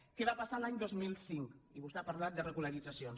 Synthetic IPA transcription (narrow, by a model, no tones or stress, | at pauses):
kɛβapasalaɲd̪ozmilˠsiŋkiβust̪apəɾlat̪̚d̪ərəɣuləɾid͡zəsion